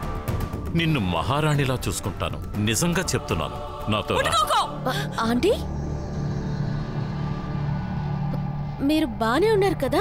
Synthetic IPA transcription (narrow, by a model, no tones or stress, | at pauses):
ninːumɐ̰ɦaːɾaːɳilaːt͡ʃuːsu̥kuɳʈa̰ːnṵnizɐŋɡaːt͡ʃep̚ut̪unːa̰ːnu | naːt̪oːɾa̰ | aːɳʈi | miːɾubaːneːunːaːɾukɐd̪aː